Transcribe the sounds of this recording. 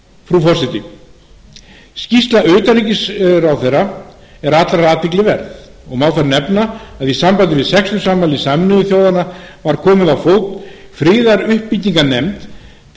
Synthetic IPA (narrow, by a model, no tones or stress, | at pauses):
fɾufɔr̥sɪt̪ɪ | scist̪laœɥt̪anicɪsɾawθejrːa | ɛɾat̪laɾɾaːt̪vɪklɪvɛɾθ | ɔɣmawθaɾnɛpnaːðisampajt̪ɪvɪðsɛkst̪ʏ̥samːajlɪsamɪnʏðʏθjowðanavaɾkʰɔːmɪðawfoːwt̪fɾɪːðaɾʏhpːit̪ːiŋkanɛmt̪